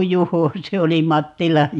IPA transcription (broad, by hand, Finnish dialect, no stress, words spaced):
juho se oli mɑtːilɑj